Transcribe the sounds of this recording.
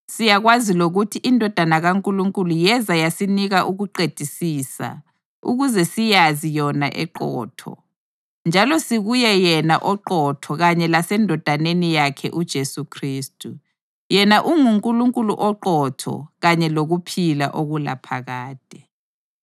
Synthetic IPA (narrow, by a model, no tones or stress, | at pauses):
sijaɣwaziloɣutʰiʔindʱɔd̥ʱanaɣaŋkʼuluŋkʼulujɛzajasiniɣaʔuɣuǃed̥ʱisiːsa̰ | ṵɣuzɛsijazijɔnaʔɛ̰ǃɔ̰ːtʰɔ̰ | nd͡ʒʱalɔsiɣujɛjɛnaʔɔǃɔtʰɔɣaɲɛlasɛndʱɔd̥ʱanenijakʰɛ̰ʔud̥ʒ̥ʱesukʰriːstʼu | jɛnaʔuŋuŋkʼuluŋkʼulṵʔɔǃɔtʰɔ̰ɣaɲɛloɣupʰila̰ʔoɣula̰pʰaɣaːd̥ʱɛ